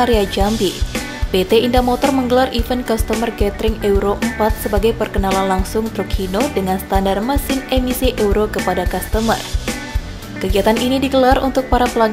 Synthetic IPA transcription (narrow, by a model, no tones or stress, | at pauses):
aɾiad͡ʒambi | b̥et̪eindamɔt̪ɔrməŋɡəlarifənkɔst̪əmərɡɛt̪ɾɪŋɛuɾoʔəmpat̪̚səbaɡajpərkənalanlaŋsʊŋt̪ɾukʰinodəŋansə̥t̪andarmasɪnemisiʔɛuɾokəpadakast̪əmə̰r | kəɡiat̪aninidiɡəlarunt̪ʊk̚paɾapəlaŋ